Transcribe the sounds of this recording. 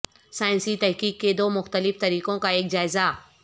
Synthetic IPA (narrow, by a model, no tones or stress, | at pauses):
saːɪ̃nsit̪ɛɦkiːkːed̪oːmʊxt̪əlɪft̪ɐɾiːkõkaeːkd͡ʒaːɪza